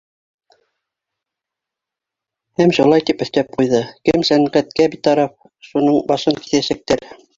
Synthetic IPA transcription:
hæmʃulˠɑjt̪ipɵ̆θt̪æp̚qujðɤkɘmsæŋʁæt̪kæbit̪ɑɾɑf̚ | ʃunɤɴbɑʃɤŋki̥θæʃæk̚t̪æɾ

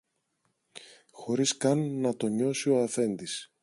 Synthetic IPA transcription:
xo̞ɾiskɐnːɐt̪o̞ɲo̞sio̞ɐfe̞nd̪is

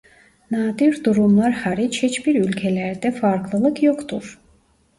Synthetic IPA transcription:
naːd̪yɾd̪uɾumlˠaɾhaɾit͡ʃʰhɛt͡ʃbiɾylkʲʰɛlɛɾd̪ɛfaɾkʰlˠɯlˠɯkʰjɔkt̪uɾ

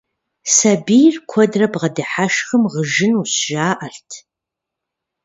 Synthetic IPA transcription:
sabijrkʷʰɔdrɐbʁɐdɨħaʃxəmʁəʒɪnusʒaːʔɐɬtʰ

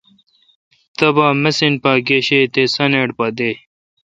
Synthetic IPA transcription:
t̪ɐbaːmesinpaːɡeɕet̪esɐneɽpɐd̪e

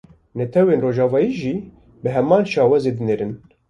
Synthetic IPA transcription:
nɛt̪ʰɛweːnroːʒɑːvɑːjiːʒiː | bɨɦɛmɑːnʃɑːwɛzeːd̪ɨneːɾɨn

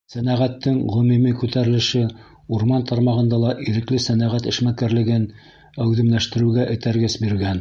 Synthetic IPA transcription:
sænæʁæt̪ːɘŋʁɵ̆mimikʉt̪æɾɘ̆lɘ̆ʃɘ | uɾmɑnt̪ʰɑɾmɑʁɤ̆nd̪ɑlˠɑʔiɾɘ̆klɘsænæʁæt̪ɘ̆ʃmækæɾlɘ̆ɡɘn | æwðɘ̆mlæʃt̪ɘ̆ɾɘ̆ɡæʔɘ̆t̪æɾɡɘsbiɾɡæn

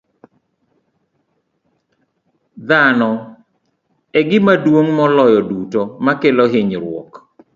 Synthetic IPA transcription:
d̪anɔ | ɛɡɪmadwoŋmɔlɔjɔdutomakelɔɦɪɲɾwɔ̰k

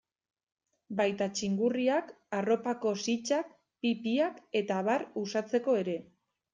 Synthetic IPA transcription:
bajt̪at͡ʃiŋɡuriak | aro̞pako̞sit͡ʃak̚ | pipiake̞t̪aβaɾusat͡se̞ko̞e̞ɾe̞

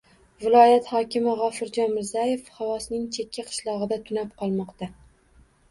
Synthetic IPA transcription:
vɪlˠɒjat̪hɒkʲɪmɪʁɒfɪɾd͡ʒɒnmɪɾzaje̞fhawɒsnɪŋt͡ʃʰekʲʰːaqʰɨ̥ʃlˠɒʁɨd̪at̪ʰʊnap̚qʰɒlˠmɒqt̪a

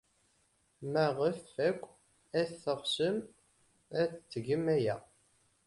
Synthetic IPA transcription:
mæʁəfækʷː | æθθəʁsəm | æt͡sːt͡sːʝəmæjæ̰

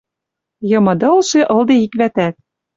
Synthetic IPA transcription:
jɤ̆mɤ̆d̪ɤ̆lˠʃeʔɤ̆lˠd̪ĕikβæt̪æt̪̚

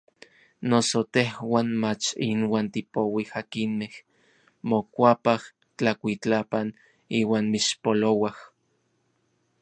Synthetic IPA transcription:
nosot̪ehwaːnmat͡ʃinwaːnt̪ipowihakinmeh | mokʷapah | t͡ɬakʷit͡ɬapan | iːwaːnmiʃpolowah

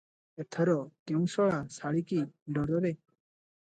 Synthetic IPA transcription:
ɛt̪ʰəɾɔt̪iw̃sɔɭasaɽikiɖɔɾɔɾɛ

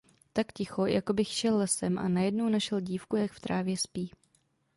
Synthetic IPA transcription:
t̪akcɪxo̞jʔako̞bɪxʃɛlːɛsɛmʔa̰najɛdnownaʃɛlɟiːfkujakft̪ɾʔaːvjɛspiː

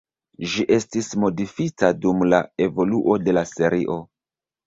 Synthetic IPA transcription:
ʒiʔe̞stismo̞difitadumlae̞vo̞luʔo̞de̞lase̞ɾḭʔo̞

